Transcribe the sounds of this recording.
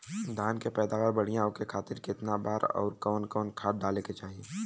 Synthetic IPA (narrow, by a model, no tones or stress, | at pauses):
d̪ʱaːnkepɛːd̪aːʋaːɾbɐɽ̤ijãõkekʰaːt̪ɪɾkɪt̪nabaːɾɔ̰ːɾkɔːnkɔːnkʰaːt̪̚ɖaːleket͡ʃaːɦie